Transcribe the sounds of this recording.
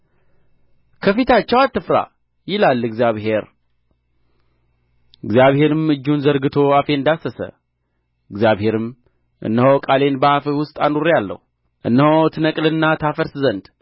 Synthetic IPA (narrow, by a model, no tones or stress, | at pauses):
kʰəfit̪ʰat͡ʃːɛwat̪ːɨfɾa̰ | jɪlalːɨɡzjaβɦe̞ɾ | ɨɡzjaβhe̞ɾɨmɨd͡ʒːunzəɾɡɨt̪ʰo̞afe̞ɨnd̪asəsə̰ | ɨɡzjaβhe̞ɾɨm | ʔɨ̰nːəhowkʼale̞nbahafiwʊst̪ʼanuɾjalːə̰hu | ʔɨ̰nːəhowt̪ʰɨnəkʼlɨnːat̪ʰafəɾszənd̪